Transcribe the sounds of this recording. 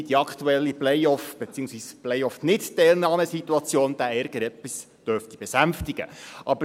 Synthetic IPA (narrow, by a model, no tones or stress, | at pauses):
diɑkʰtuɛlːiplɛjɔfb̥et͡siːʊŋsʋiːsplɛjɔfnɪttɛlnɑːməsit̪uɑt͡sjoːnd̥̪æɛɾɡ̥əɾɛpːis | d̥œɾft̪ib̥ɛsæmftiɡ̥ə̰ʔɑbə